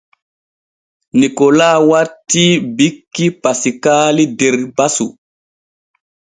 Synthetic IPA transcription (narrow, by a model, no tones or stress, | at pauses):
nikɔlaːwaɾtːibikːipasikaːlideɾbasu